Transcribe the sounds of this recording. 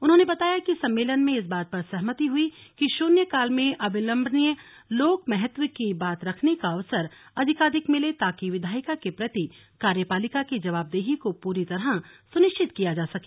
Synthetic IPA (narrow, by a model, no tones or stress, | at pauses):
ʊnɦõːnebɐt̪aːjakisɐ̃mːeːlənmẽɪs̬baːt̪̚pɐɾsɐɦmət̪iɦʊikiʃuːnjəkaːlmẽʔɐbʱɪlə̃mbʱnijə | loːkmɛɦɛt̪wəkibaːt̪ɾɐkʰnekaɐʋsəɾɐd̪ʱɪkaːd̪ɪkmɪlet̪aːkiʋɪd̪ʱaːjɪkakepɾɐt̪i | kaːɾjəpaːlɪkakid͡ʒɐʋaːb̚d̪eːɦikopuːɾit̪ɐɾasʊnɪʃt͡ʃɪt̪kijad͡ʒaːsɐke̥ː